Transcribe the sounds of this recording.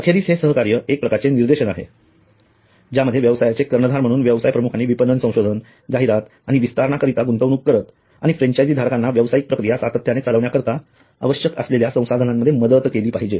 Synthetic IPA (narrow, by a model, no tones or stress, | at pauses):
əkʰeɾiːsɦesəɦəkaɾjəʔek̚pɾəkaɾt͡seniɾd̪eɕənaɦḛ | d͡ʑjaməd̪ʱjeʋjəʋsajat͡sekəɾɳəd̪ʱaɾm̤əɽ̃uːnʋjəʋsajpɾəmukʰaniːʋipənːənsə̃w̃ɕod̪ʱən | d͡zaɦiɾat̪ | aɽ̃iʋist̪aɾɳakəɾit̪aɡunt̪əʋɽ̃uːkkːəɾət̪ | a̰ɽ̃ifɾẽɲt͡ɕajd͡ziːd̪ʱaɾkanːaʋjəʋsajik̚pɾəkɾijasat̪ət̪ʰjanet͡saləʋɳjakəɾt̪a | ə̰ʋəɕjəkə̰sleljasə̃w̃sad̪ʱənamːəd̪ʱːjeməd̪ət̪keliːpaɦid͡ʑe